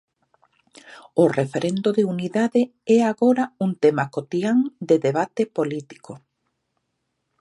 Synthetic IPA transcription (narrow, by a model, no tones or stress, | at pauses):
ʊrefeɾʔend̪oðeuniðaðe | ɛaɣoɾauŋt̪emakot̪iaŋd̪eðeβat̪epolit̪i̥ko